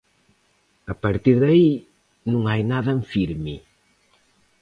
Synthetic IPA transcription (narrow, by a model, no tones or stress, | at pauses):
ɐpɐɾt̪iɾðɐi | nũŋajnaðɐ̃fiɾmi